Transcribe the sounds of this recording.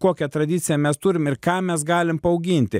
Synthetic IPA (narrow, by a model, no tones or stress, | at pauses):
koːkʲɛt̪ɾɐd̪ʲɪt̪sʲɪjɛmʲɛst̪ʊɾʲɪmɪɾkɑːmʲɛsɡɑːlʲɪmpɐɐʊɡʲɪnʲt̪ʲɪ